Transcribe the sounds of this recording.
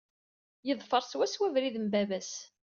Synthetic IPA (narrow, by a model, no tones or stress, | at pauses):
jəðˤfəɾˤswæswævɾiðəmbævæs